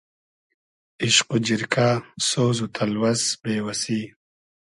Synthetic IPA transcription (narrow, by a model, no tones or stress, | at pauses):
iʃqud͡ʑiɾkʰasoːzut̪ʰɐlwɐsbeːwɐsiː